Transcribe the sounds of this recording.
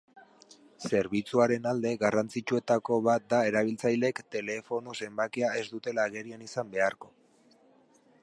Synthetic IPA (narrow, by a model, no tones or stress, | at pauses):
se̞ɾβ̞it͡suaɾe̞nald̪e̞ɣarant͡sit͡ʃue̞t̪ako̞βat̪̚d̪ae̞ɾaβ̞ilt͡sajle̞kt̪e̞le̞fo̞no̞se̞mbakeae̞zd̪ut̪e̞laːɣe̞ɾianisambe̞aɾko̞